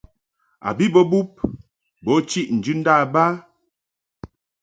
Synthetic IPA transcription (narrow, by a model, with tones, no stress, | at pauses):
a̰˨bi˦bɔ˦bu˦p̚ | bɔ˨˦t͡ʃi˦ʔn̩˨d͡ʒʉ˦n̩˦da˦˨ba˦